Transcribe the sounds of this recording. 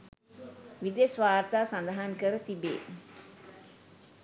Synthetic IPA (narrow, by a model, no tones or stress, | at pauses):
ʋid̪esʋaːɾt̪aːsand̪aɦaŋkəɾət̪ibḛː